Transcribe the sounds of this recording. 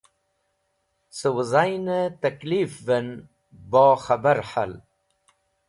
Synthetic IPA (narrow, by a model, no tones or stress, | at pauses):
səwəzajnət̪aklifven | boːxabaɾħa̰l